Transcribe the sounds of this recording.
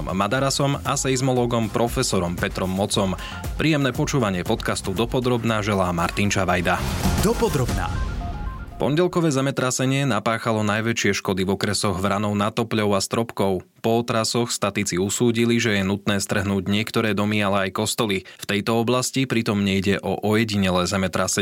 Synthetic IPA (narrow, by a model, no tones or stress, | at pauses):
mːad̪aɾasɔmasɛjzmɔlɔːɡɔmpɾɔfɛsɔɾɔmpɛt̪ɾɔmːɔt͡sɔm | pɾʔiːjɛmnɛːpɔt͡ʃuːʋaɲɪɛpɔt̪kast̪ud̪ɔpɔd̪ɾɔbnaʒɛlaːmaɾt̪int͡ʃaʋajd̪ad̪ɔpɔd̪ɾɔbna̰ | pɔ̰ɲɟɛlkɔʋɛːzɛmɛt̪ɾasɛɲɪɛnapaːxalɔnajʋɛt͡ʃɪɛʃkɔd̪ivɔkɾɛsɔɣʋɾanɔʊnat̪ɔpʎɔʊast̪ɾɔpkɔʊpɔɔt̪ɾasɔxst̪at̪it͡siusuːɟiliʒɛjɛnut̪nɛːst̪r̩ɦnuːɟɲɪɛkt̪ɔɾɛːd̪ɔmialɛajkɔst̪ɔlift̪ɛjt̪ɔɔblascipɾit̪ɔmɲɛjɟɛʔɔʔɔjɛɟiɲɛlɛːzɛmɛt̪ɾasɛ